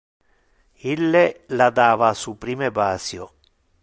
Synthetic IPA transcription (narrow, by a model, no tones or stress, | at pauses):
ilːelad̪aːvasupɾiːmebaːsjo